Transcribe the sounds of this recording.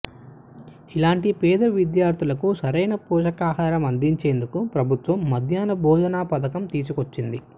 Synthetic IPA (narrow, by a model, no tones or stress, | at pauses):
ilaːɳʈipɛːd̪ɐʋid̪jaːɾt̪ʰilɐkusɐɾɐjnɐpuːʃɐkaːɦaːɾɐmɐnd̪iɲt͡ʃe̞ːnd̪ukupɾɐbʱut̪ʋɐmːɐd̪ʱjaːnɐbʱɔːd͡ʒɐnaːpɐt̪ɐkɐmt̪iːs̬ukot͡ʃːind̪i